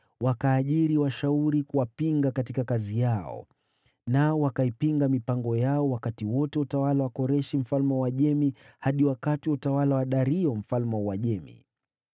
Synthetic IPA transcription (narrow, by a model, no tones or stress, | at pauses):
wakaːʄiɾiwaʃauɾikuwapiŋɡakatikakazijaɔ̰ | naɔwakaipiŋɡamipaŋɡɔjaɔwakatiwɔtɛutawalawakɔɾɛʃim̩falmɛwaʄɛmihaɗiwakatiwutawalawaɗaɾiɔm̩falmɛwaʄɛmḭ